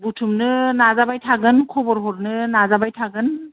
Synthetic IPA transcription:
butʰumnɯnazabajtʰaɡɯnkʰɔbɔɾɦɔɾnɯnazabajtʰaɡɯn

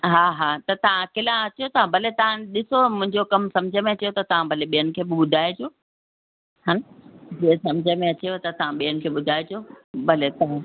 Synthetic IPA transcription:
ɦaːɦaːt̪ɐt̪ɐʋ̤ãkɪlãɐt͡ɕiot̪ɐãbʱɐlet̪ɐʋ̤ãɗɪsomʊ̃ɦɪ̃ɲd͡ʑokɐmsɐmd͡ʑʱəmẽɐt͡ɕijot̪ɐt̪ɐʋ̤ãbʱɐleɓijənɪ̆kʰeːbɪɓʊd̪ʱaːed͡ʑoː | ɦand͡ʑiə̃sɐmd͡ʑʱəmẽɐt͡ɕijot̪ɐt̪ɐʋ̤ãɓijənɪ̆kʰeːɓʊd̪ʱaːed͡ʑoːbʱɐlet̪ɐɦã

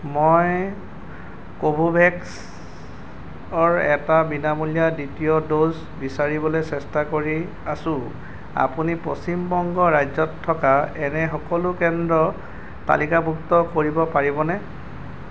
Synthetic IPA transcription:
mɔj | kobʱubʱɛks | ɔɹɛ̰tabinamulijaditijɔdoz | bisaɹibɔlosɛstakoɹi | asʊ̃ | a̰punipɹost͡ʃimbɔŋɡɔɹajzɔtʰːɔkaɛnɛxɔkɔlʊkɛndɹɔ | ta̰likabʱuktɔkoɹibɔpaɹibɔnɛ

